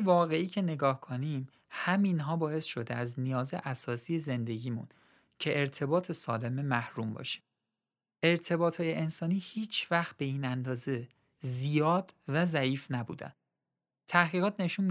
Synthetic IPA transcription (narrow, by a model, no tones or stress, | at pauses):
vɒːɣe̞iːcʰe̞ne̞ɡɒːhkʰonim | hæminɦɒːbɒːe̞sʃo̞d̪eæznijɒːze̞̰ʔæsɒːsiːje̞ze̞nd̪e̞ɟiːmṵn | cʰe̞ʔeɾt̪ʰe̞bɒːt̪ʰe̞sɒːle̞me̞mæhɾumbɒ̰ːʃi̥m | ʔe̞ɾt̪ʰe̞bɒːt̪ʰhɒːje̞ʔensɒːniːhiːt͡ʃʰvæxt̪̚be̞iːnænd̪ɒːze̞ | zijɒːd̪væzæʔiːfnæbṵːd̪æ̰n | t̪ʰæhɣiːɣɒːt̪ʰne̞ʃuːnmi